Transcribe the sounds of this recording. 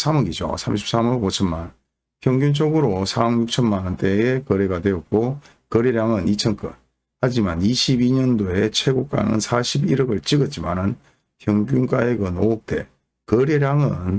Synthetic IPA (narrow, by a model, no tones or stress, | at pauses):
s͈ʰamʌɡid͡ʑo̰sʰamɕ̬ʰi̥p̚s͈amɯɡot͡ɕʰʌnma̰n | pʰjʌŋɡjunt͡ɕoɡɯɾosʰaʌŋjuk̚t͡ɕʰʌnmanɯnt͈ʰeekʌɾe̞ɡadwe̞ʌt̚k͈o | kʌɾeɾjaŋɯnit͡ɕʰʌnk͈ɯ̰n | had͡ʑimaniɕʰibiɲʌndoe̞t͡ɕʰwe̞ɡok͈̚a̰nɯ̰nsʰaɕʰibiɾɯɡɯɭt͡ɕiɡʌt̚t͡ɕ͈ima̰nɯn | pʰjʌŋɡʲunk͈aeɡɯnoːk̚t͈e̞̰ | kʌɾeɾjaŋɯn